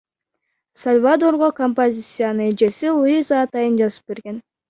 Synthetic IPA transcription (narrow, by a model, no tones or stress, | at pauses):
solʲvad̪o̞ɾʁokompozʲit̪sɨjanɯid͡ʒe̞silˠuizaːt̪ɑjɯnd͡ʒɑzɯ̥p̚be̞ɾɡe̞n